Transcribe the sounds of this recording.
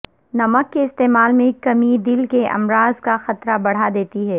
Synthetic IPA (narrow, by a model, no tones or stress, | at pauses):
nɐməkːeɪst̪eːmaːlmẽkɐmid̪ɪlkeʔɐ̰mɾaːzkaxɐt̪ɾabɐɽ̤ad̪eːt̪iɦɛː